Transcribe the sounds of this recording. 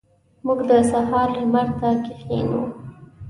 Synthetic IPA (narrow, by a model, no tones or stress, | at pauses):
muɡd̪əsahɑɾləmaɾt̪akɪxḛnṵ